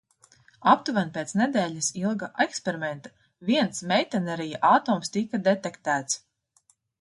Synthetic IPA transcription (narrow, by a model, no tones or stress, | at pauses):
apt̪uvanpʲet̪sned̪ɛːʎʲasilˠɡaʔekspʲeɾimɛ̃nt̪ḁ | viɛnsmʲɛjt̪ɛnɛɾijaʔat̪ɔːmst̪ikad̪et̪ɛkt̪æːt̪s